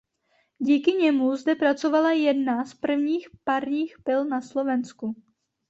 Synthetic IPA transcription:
ɟiːkɪɲɛmuzdɛpɾat͡so̞valajɛdnaspr̩vɲiːxpaɾɲiːxpɪlnaslo̞vɛnsku

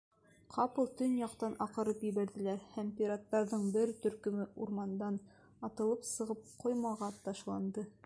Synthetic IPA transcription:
qʰɑpɤlˠt̪ɵnjɑqt̪ɑnʔɑqɤ̆ɾɤpjɘ̆βæɾðɘ̆læɾhæmpʲiɾat̪ːɑɾðɤɴbɘɾt̪ɵ̆ɾkɵ̆mɘʔuɾmɑnd̪ɑn | ɑt̪ɤ̆lˠɤpsɤ̆ʁɤp̚qojmɑʁɑt̪ɑʃlˠɑnd̪ɤ

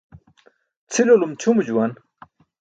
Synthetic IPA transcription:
t͡sʰilolumt͡ɕʰumud͡ʑuwan

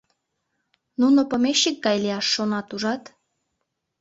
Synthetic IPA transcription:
nunopomeʃːik̚ɡɑjleɑʃːonɑt̪uʒɑt̪

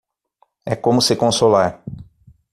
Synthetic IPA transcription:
ɛkõmʊsɪkõsolaɾ

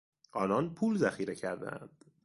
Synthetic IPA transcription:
ʔɒːnɒːnpʰuːlzæxiːɾecʰæɾd̪æ̰æ̰nd̪̥

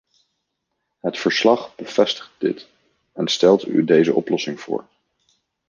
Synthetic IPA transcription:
ɦətfəɹslɑχb̥əv̥ɛstə̥χt̚dɪ̰t | ɛnstɛlˠty̰dejzəʔɔ̰plɔsɪŋv̥ʊ̰ːɹ

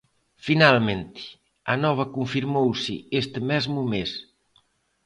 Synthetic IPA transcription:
finalmẽnt̪i̥ | anɔβ̞akuɱfiɾmowsḭest̪mɛzmumes

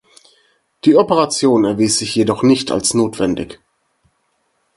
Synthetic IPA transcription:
d̥iːɔpəʁat͡sjoːnɛɐviːsz̥ɪçjedɔχnɪçtʰa̰lsnoːtv̥ɛndɪ̰ç

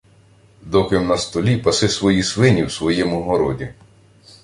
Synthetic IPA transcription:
d̪ɔkɪmnɐst̪ɔlʲipɐsɪsʋɔjisʋɪnʲiwsʋɔjɛmʊɦɔɾɔdʲi

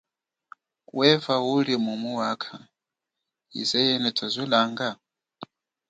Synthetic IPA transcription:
wɛvawulimumuwakʰa | ḭzɛjɛnɛtʰazʷilaŋɡa

